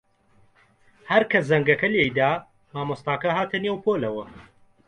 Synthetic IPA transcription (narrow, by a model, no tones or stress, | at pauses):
hɐɾkʰɐzɐŋɡɐkɐlejd̪aː | maːmost̪aːkɐhaːt̪ʰɐneːwpʰoːlɐwɐ